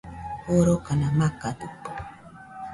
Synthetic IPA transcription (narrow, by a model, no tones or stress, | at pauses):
oɾokanamakad̪up